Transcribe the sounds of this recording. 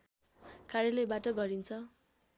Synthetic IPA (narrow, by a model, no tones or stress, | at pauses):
kaɾjelebaʈʌɡʌɾint͡sʰʌ